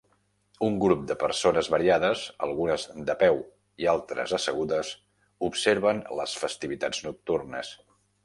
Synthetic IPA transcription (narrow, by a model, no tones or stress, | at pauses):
uŋɡɾup̚d̪əpəɾsonəzβəɾiaðəzə̰lˠɣunəzd̪əpɛw | ialˠt̪ɾə̰zəsəɣ̞uðəs | upseɾβənləsfəst̪iβit̪ad͡znuk̚t̪urnəs